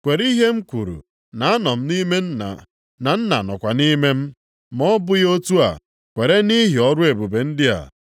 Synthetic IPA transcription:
kʷe˨ɾi˦ɦe˦m̩˦kʷu˨ɾṵ˨ | na˨a˦nɔ˨m̩˦ni˦me˦n̩˦˨ | na˨n̩˦na̰˨nɔ˨kʷa˨ni˦me˦m̩˦ | mɔ˦bʊ˦jo˦tu˦a̰˨ | kʷe˨ɾe˦ni˦ɦi˨ɔ˦ɾʊ˦e˨bu˨be˨n̩˦dɪ˦a̰˨

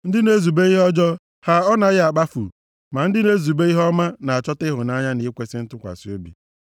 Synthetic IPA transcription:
n̩˦dɪ˦ne˦zu˨be˦i˦ɦɔ˦d͡ʒɔ˦ | ha˨ɔ˦na˨ɣɪ˦a˨k͡pa˦fṵ˨ | ma˨n̩˦dɪ˦ne˦zu˨be˦i˦ɦɔ˦ma˦na˨a˨t͡ʃɔ˦tɪ˦ɦʊ˨na˦ɲa˦ni˨˦kʷe˦sɪ˦n̩˦tʊ˦kʷa̰˨si˨o˦bḭ˨

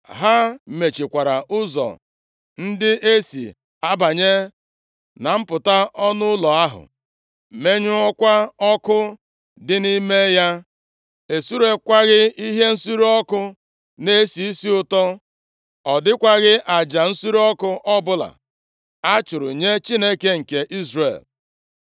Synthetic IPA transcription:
ɦa˦me˨t͡ʃi˨kʷa˨ɾa˨ʊ˦zɔ̰˨ | n̩˦dɪ˦ʔe˦sḭ˨ | a˦ba˨ɲe˦ | na˨m̩˦pʊ˨ta˦ɔ˦nʊ˦lɔ˨a˦ɦʊ̰˨ | me˦ɲʊ˦ɔ˦kʷa˦ɔ˦kʊ˦ | dɪ˦ni˦me˦ja˦ | e˨su˦ɾe˨kʷa˦ɣɪ˦i˦ɦe˦n̩˦su˦ɾɔ˦kʊ˦ | ne˦si˨i˦si˦ʊ˨tɔ˦ | ɔ˨dɪ˦kʷa˦ɣɪ˦ʔa˨d͡ʒa˨n̩˦su˦ɾu˦ɔ˦kʊ˦ʔɔ˦bʊ˦la̰˨ | a˦t͡ʃʊ˨ɾʊ̰˨ɲe˦t͡ʃi˦ne˦ke˦ŋ̩˨ke˨ʔi˦zrḛ˨l

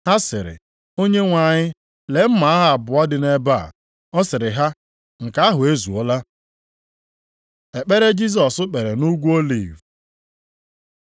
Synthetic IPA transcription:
ha˦sɪ˨ɾɪ̰˨ | o˦ɲe˦ŋʷa˨ɲɪ˦ | le˨m̩˦ma˨a˦ɦa˦a˨bʊ˨ɔ˦dɪ˨ne˦ba̰˦˨ | ɔ˦sɪ˨ɾɪ˨ɦa˦ | ŋ̩˨ka˨˦a˦ɦʊ˨e˦zu˨o˦la˦ | e˨k͡pe˦ɾe˦d͡ʒi˦s̬ɔ˨sʊ˦k͡pe˨ɾe˨nu˦ɡʷu˦o˦lḭː˦˨v

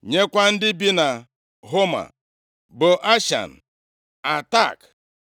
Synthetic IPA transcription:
ɲe˦kʷa˦n̩˦dɪ˦bi˦na˨ | ɦo˦ma̰˨ | bʊ˨ʔa˦ʃa̰˨n̩˨ | a˨ta˦˨k

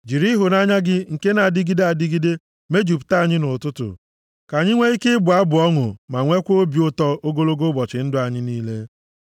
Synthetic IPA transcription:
d͡ʒi˨ɾi˦ɦʊ˨na˦ɲa˦ɡɪ˦ŋ̩˨ke˦na˨dɪ˦ɡi˦de˦a˨dɪ˦ɡi˦de˦ | me˦d͡ʒu˨pta˦˨ɲɪ˦nʊ˨tʊ˦tʊ̰˨ | ka˨ɲɪ˦ŋʷe˦i˦kɪ˦ɪ˦bʊ˨a˦bʊ˨ɔ˦ŋʊ̰˨ma˨ŋʷe˦kʷo˦bjo˦tɔ˦o˦ɡo˦lo˦ɡo˦bɔ˨t͡ʃɪ˨n̩˦dʊ˦a˨ɲɪ˦niː˦le˦

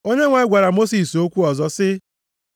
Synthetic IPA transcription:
o˦ɲe˦ŋʷa˨ɪ˦ɡʷa˨ɾa˨mo˦si˨so˦kʷu˦ɔ˨zɔ˦sɪ˦

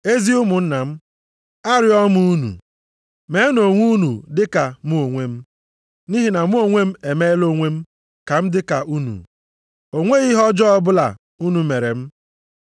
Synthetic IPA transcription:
e˦zi˦ʊ˦mʊ˨n̩˦na˨m̩˦ | a˦ɾɪ˦ɔ˦mu˦u˦nṵ˨ | me˨˦no˨ŋʷu˦nṵ˨dɪ˦ka˨mu˦o˨ŋʷe˦m̩˦ | ni˦ɦi˦na˨mu˦o˦ŋʷe˦m̩˦e˨me˦lo˦ŋʷe˦m̩˦ | ka˨m̩˦dɪ˦ka˨u˦nṵ˨ | o˨ŋʷe˦ɣi˦ɦɔ˦d͡ʒɔ˦ɔ˦bʊ˦la̰˨ | u˦nu˨me˨ɾe˨m̩˦

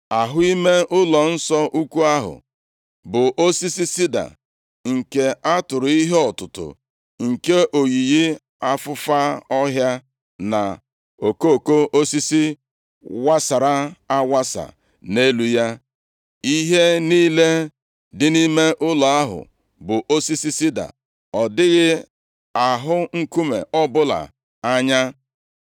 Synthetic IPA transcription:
a˨ɦʊ˦i˦me˦ʊ˦lɔ˨n̩˦sɔ˦ʔu˦kʷu˦a˦ɦʊ̰˨ | bʊ˨ʔo˦si˦si˦si˦da̰˨ | ŋ̩˨ke˨a˦tʊ˨ɾʊ˨i˦ɦe˦ɔ˨tʊ˨tʊ̰˨ | ŋ̩˨ke˦ʔo˨ɣi˨ji˦ | a˦fʊ˦fa˦ɔ˦ɦja˦ | na̰˨ | o˨ko˦˨ko˦ʔo˦si˦si˦ | wa˦sa˨ɾa˦a˦wa˦sa̰˨ | ne˦lu˦ja˦ | i˦ɦe˦niː˦le˦ | dɪ˦ni˦me˦ʔʊ˦la˨a˦ɦʊ̰˨ | bʊ˨ʔo˦si˦si˦si˦da̰˨ | ɔ˨dɪ˦ɣɪ˦ | a˨ɦʊ˦ŋ̩˦ku˦mḛ˨ɔ˦bʊ˦la̰˨ | a˦ɲa˦

